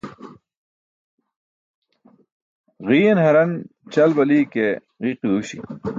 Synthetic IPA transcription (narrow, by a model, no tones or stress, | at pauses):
ʁiːjenhɐɾɐnt͡ɕɐlbɐlike | ɣiːqiuɕḭ